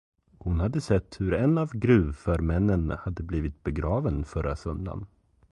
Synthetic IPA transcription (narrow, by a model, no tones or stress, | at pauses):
hʊnhad̪ːəsɛt̪ːhɵɾɛnavɡɾʉ̟ːvfœɾmɛnːənhad̪ːəbliːvɪt̪̚bɛɡɾɑːvənfœɾa̰sœnd̪a̰n